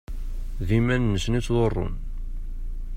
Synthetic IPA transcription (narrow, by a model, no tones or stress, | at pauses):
ðimænːəsnit͡sːðorˤːʊ̰n